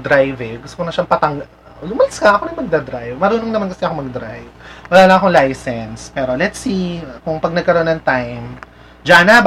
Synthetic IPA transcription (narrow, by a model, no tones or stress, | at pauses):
d̪ɾajvɛɡʊst̪okonɐʃaŋpɐt̪ɐŋɡ | lʊmɐlɐskɐʔɐkonɐjmɐɡ̚d̪aːd̪ɾajvmɐɾuːnoŋnɐmankɐsɛɐko̞mɐɡ̚d̪ɾajvwɐlaːlɐŋɐkoŋlajsɛnspɛːɾo̞lɛt̪sikʊŋpɐɡ̚nɐɡ̚kɐɾonːɐŋt̪ajm | d͡ʒanab